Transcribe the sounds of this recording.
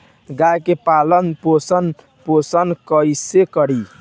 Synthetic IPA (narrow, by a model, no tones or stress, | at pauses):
ɡajkepalənposən | posənkəjsekəɾi